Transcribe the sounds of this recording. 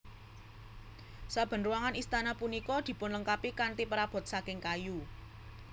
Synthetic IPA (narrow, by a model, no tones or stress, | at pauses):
sab̥ə̤nruaŋanist̪anapunikɔd̪̥i̤pʊnləŋkapikant̪ipəɾab̥ɔ̤t̪̚sakɪŋkaju